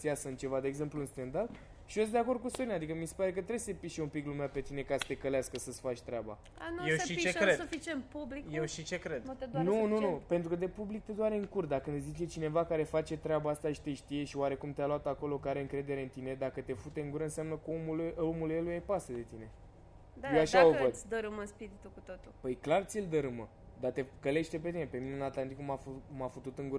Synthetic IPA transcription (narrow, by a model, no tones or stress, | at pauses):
siasəɨnt͡ʃe̞vad̪eːɡze̞mpluɨnst̪end̪al | ʃios̬d̪e̞ako̞rd̪̚kusoinad̪ikəmisepaɾe̞k̬ət̪ɾesəepiʃeumpiklumeape̞t̪ine̞kasə̥t̪e̞kəleaskəsəsfat͡ʃʲt̪ɾeaba̰ | anujewsʃiit͡ʃeɾedsfit͡ʃenpublikjewʃit͡ʃekɾed̪t̪ed̪nununupe̞nt̪ɾukəd̪e̞publik̚t̪ed̪oaɾeɨŋkurt̪̚d̪akɨnzit͡ʃe̞t͡ʃine̞vakaɾe̞fat͡ʃe̞t̪ɾeabaast̪aʃi̥t̪e̞ʃt̪ije̞ʃioaɾe̞kumt̪ealoat̪ako̞lo̞kaɾe̞ɨŋkɾe̞d̪e̞ɾeɨnt̪ine̞d̪akət̪e̞fut̪e̞ɨŋɡuɾəɨnsjamnəkəomulomulelujejpasəd̪e̞t̪ine̞ | d̪jewaʃaovəd̪d̪əɾɨməspiɾit̪ukut̪ot̪ulpəjklart̪sild̪əɾɨmə | d̪at̪e̞kəle̞ʃt̪e̞pe̞t̪ine̞pe̞minenat̪lant̪ikumafumafut̪ut̪ɨŋɡuɾə